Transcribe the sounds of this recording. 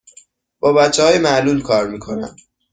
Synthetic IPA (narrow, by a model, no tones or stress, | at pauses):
b̥ɒːbæt̪t͡ʃʰːehɒːjemæʔluːlkʰɒːɾmiːkʰo̞næ̰n